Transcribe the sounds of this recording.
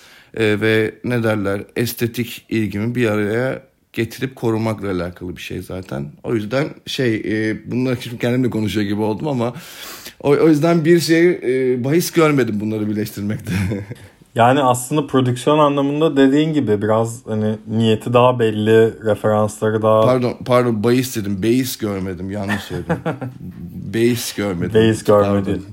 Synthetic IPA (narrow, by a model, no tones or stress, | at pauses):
ɛːvɛne̞d̪æɾlʲæɾɛst̪ʰe̞t̪ʰicilʲɟimibiɾaɾaja | ɟ̥et̪ʰiɾip̚kʰo̞ɾunmaklˠaːlʲaːkʰalˠɯbiʃḛjzaːt̪ʰæ̰no̞̰jyzd̪ænʃejːbunlˠaɾacʰi̥t͡ʃicʰɛnd̪imd̪ɛkʰo̞nuʃujoɟibio̞lˠd̪umama | oojyzd̪ænbiɾʃe̞jbaɦisɟøɾme̞d̪imbunlˠaɾɯbiɾlʲɛʃt̪ʰiɾmɛc̚t̪ʰɛ | jaːnɪaslˠɯnd̪apʰɾo̞d̪ycsijo̞nanlˠamɯnd̪ad̪e̞d̪iːnɟibɪbiɾazhanɪnije̞t̪ʰid̪aɦabɛlʲːɪɾefe̞ɾanslˠaɾɯd̪apaɾd̪onpʰaɾd̪onbajɯsd̪ed̪imbe̞jisɟøɾme̞d̪imjanːɯʃsøjʲed̪im | be̞jisɟøɾme̞d̪ejisɟøɾamed̪i